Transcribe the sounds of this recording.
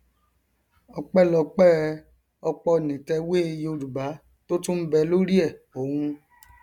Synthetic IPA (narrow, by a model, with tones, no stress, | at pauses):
ɔ˧k͡pɛ˦˨lɔ˧k͡pɛ˦ | ɔ˧k͡pɔ˧˨nĩ˨tɛ˧we˦˧jo˧du˨ba˨˦ | to˦tũ˦m̩˦bɛ˧lo˦ɾi˦ɛ˦˨o˨˦hũ˧